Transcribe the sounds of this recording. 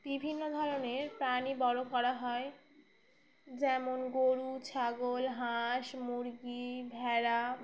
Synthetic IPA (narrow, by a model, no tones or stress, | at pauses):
bibʱinːod̪ʱɔɾoneɾpɾanibɔɾokɔɾaɦɔe | d͡ʑɛmonɡoɾut͡ɕʰaɡolɦaʃmuɾɡibʱɛɾa